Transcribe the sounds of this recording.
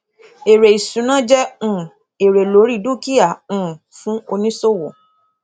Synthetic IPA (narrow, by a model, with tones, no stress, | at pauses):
e˨ɾe˨i˨sũ˨˦nã˦d͡ʒɛ˦ũ˨ | e˨ɾe˨lo˨˦ɾi˦du˦ki˦a˦˨ũ˨fũ˦o˧nĩ˦so˦wo˨